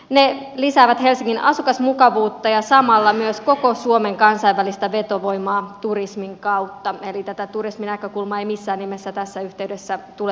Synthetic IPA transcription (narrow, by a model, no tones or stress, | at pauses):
ne | lisæːʋæt̪he̞lsiŋːinʔɑ̰sukɑsmukɑʋuːt̪ːɑjɑsɑmɑlːɑmyøsko̞kosuome̞ŋkɑnsɑiʋʋælist̪æʋet̪oʋo̞imɑːt̪urismiŋkɑut̪ːɑelit̪æt̪æt̪urisminækøkulmɑeimisːæːnːimesːæt̪æsːæyht̪eydesːæt̪ule